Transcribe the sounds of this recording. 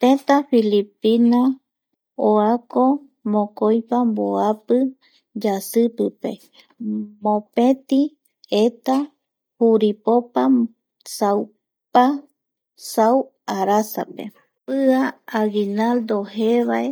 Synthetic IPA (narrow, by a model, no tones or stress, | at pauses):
t̪ẽt̪afilipina | oako | mõkojpamboapɨ | d͡ʒasɨpɨpḛ | mõpẽt̪i | et̪a | huɾipopa | saw | pa | saw | aɾasa̰pḛ | pɨaːɡinald̪oheβae